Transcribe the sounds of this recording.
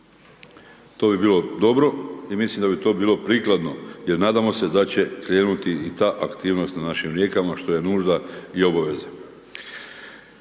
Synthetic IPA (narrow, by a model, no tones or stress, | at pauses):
t̪o̞ːbibiːlˠo̞d̪o̞bɾo̞imislimd̪abit̪o̞ːbiːlˠo̞pɾiːklˠad̪no̞je̞ɾnaːd̪amo̞se̞d̪at͡ɕe̞kɾe̞ːnut̪iːt̪aːʔakt̪iːʋnost̪nanaʃimɾje̞ːkamaʃt̪o̞je̞nuːʒd̪aio̞baʋe̞ze